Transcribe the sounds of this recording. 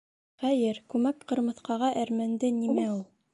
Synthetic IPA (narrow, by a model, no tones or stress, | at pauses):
χæjɘɾkʉmækqɤ̆ɾmɤ̆θqɑʁɑʔæɾmænd̪ɘnimæulˠ